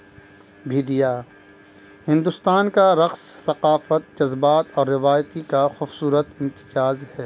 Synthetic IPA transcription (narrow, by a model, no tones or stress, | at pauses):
bʱiːd̪ijaː | hɪ̃nd̪ʊst̪aːnkaɾɐqsːɐqaːfət̪̚d͡ʒɐzbaːt̪ɔːɾːɪʋaːjt̪ikaxʊːbsuːɾət̪ɪ̃nt̪ɪ̥t͡ʃaːzhɛː